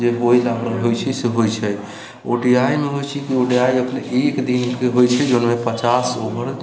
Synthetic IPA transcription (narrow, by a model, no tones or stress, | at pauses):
d͡ʒeboilabɾəɦojt͡ʃʰiseɦojt͡ʃʰɛ | o̰ɖiajmeɦojt͡ʃʰikioɖijaiəpneʔekd̪inkeɦojt͡ʃʰɛd͡ʒonmepət͡ʃasobəɾ